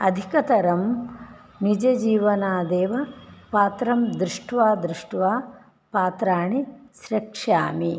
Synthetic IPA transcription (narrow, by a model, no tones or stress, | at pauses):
ɐd̪ʱikɐt̪ɐɾɐm | nid͡ʒɐd͡ʒiːʋɐnaːd̪eːʋɐpaːt̪ɾɐmd̪ɾuʂʈʋaːd̪ɾuʂʈʋaː | paːt̪ɾaːɳisɾɐkʂa̰ːmi